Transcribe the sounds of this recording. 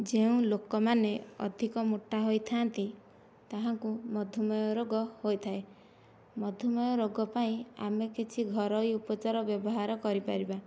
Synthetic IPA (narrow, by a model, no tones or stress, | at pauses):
d͡ʒeũlokɔmaneɔ̰d̪ʱikɔmuʈːaɦojt̪ʰant̪i | t̪aɦaŋkumɔd̪ʱjɔmɔjɔɾoɡɔhojt̪ʰae | mɔd̪ʱjɔmɔjɔɾoɡɔpaĩa̰mekit͡ʃʰiɡʱɔɾɔjupɔt͡ʃaɾɔbjɔbɔɦaɾɔkɔɾipaɾiba